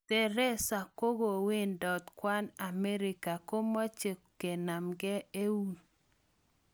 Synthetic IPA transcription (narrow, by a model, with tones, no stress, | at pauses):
tɛ˨ɾɛ˦sa˨ko˦ɡo˨we˦ndɔ˨t̪kwa˦na˨mɛ˦ɾɪ˨ka˨ko˦mɔ˦t͡ʃe˨ | ke˨na˨mɡɛ˦e˦wu˦n